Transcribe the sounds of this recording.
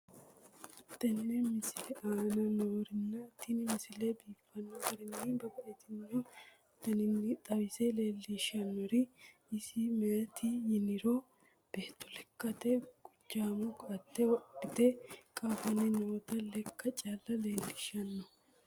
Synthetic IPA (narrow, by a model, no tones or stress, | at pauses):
t̪ːɐnːɛmɪsɪlɛʔaːnɐnoːɾɪnːɐt̪ːinɪmɪsɪlebiːfːɐnːɔfɐɾɪnːibɐkɐʔet̪ɪnun | t̪ːɐnɪnːɪt̪ʼɐbɪsele̞ːlːɪʃɐnːɔɾɪ | ɪsɪmɛjɐt̪ʰɪjɪnɪɾoː | b̥eːt̪ːɔlɛkːɐt̪eɡ̥ʊd͡ʒːaːmʊkɐɐt̪ːɛwɐɪt̪ekʼaːfɐnɪnoːt̪ɐlɛkːɐt͡ʃʼaːlːɐle̞ːlːɪʃɐnːɔ